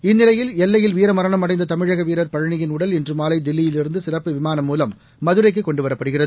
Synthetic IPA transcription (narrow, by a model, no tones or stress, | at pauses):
ɪnːɪlɐjɪlɛlːɐjɪlʋiːɾɐmɐɾɐɳɐmɐɽɐɪnd̪ɐt̪ɐmɪɻɐɣɐʋiːɾɐɾpɐɻɐɳɪjɪnʊɽɐlɛndrɯmaːlɐɪd̪ɪlːɪjɪlɪɾɯnd̪ɯsɪrɐpːɯʋɪmaːnɐmːuːlɐmː | ɐðɯɾɐɪk̬ːɯkːɔɳɖɯʋɐɾɐpːɐɽɯɣɪrɐðɯ